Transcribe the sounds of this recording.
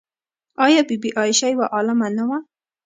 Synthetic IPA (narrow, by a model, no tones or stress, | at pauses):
ɑjɑbibiʔɑjɪʃajwaʔɑlɪmanawa